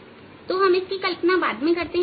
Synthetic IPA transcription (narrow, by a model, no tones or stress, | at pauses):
t̪oɦɐmɪskikɐlpnabaːd̪mẽkɐɾt̪eɦ